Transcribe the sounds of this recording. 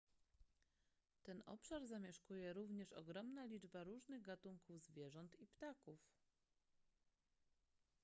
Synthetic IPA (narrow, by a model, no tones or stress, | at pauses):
t̪ɛnɔ̰pʂaɾzamʲjɛʂkujɛɾuvɲɛʂɔ̰ɡɾɔmnalʲid͡ʐbaɾuʐnɘɣɡat̪uŋkuvzvʲjɛʐɔnt̪ipt̪akuf